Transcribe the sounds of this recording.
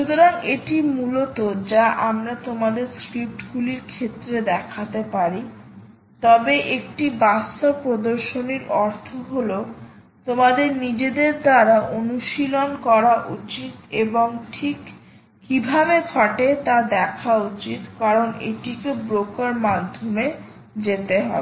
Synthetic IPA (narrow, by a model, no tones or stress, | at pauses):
ʃut̪oɾaŋeʈimulot̪od͡ʑaʔamɾat̪omad̪eɾskɾip̚ʈɡuliɾkʰet̪ːɾed̪ɛkʰat̪epaɾi | t̪ɔbeʔek̚ʈibast̪opɾod̪oɾʃoniɾɔɾt̪ʰoɦolo | t̪omad̪eɾnid͡ʑed̪eɾd̪aɾaʔonuʃilonkɔɾaʔut͡ɕit̪eboŋʈʰikː | ibʱabeɡʱaʈet̪ad̪ɛkʰaut͡ɕit̪kaɾoneʈikebɾokaɾmad̪ʱːome | d͡ʑet̪eɦɔ̰be